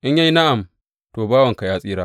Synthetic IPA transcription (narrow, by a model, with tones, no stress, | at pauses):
ʔɪ˦ɲjɐ˦jna˦ʔa˨m | toː˨baː˦wɐ˨ŋka˨jaː˦sʼiː˦ɾaː˦